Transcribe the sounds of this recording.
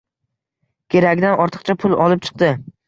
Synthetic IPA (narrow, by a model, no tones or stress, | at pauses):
kʲʰe̞ɾakʲd̪anɒɾt̪ʰɨ̥qt͡ʃʰapʰʊlˠɒlɪp̚t͡ʃʰɨ̥q̚d̪ɪ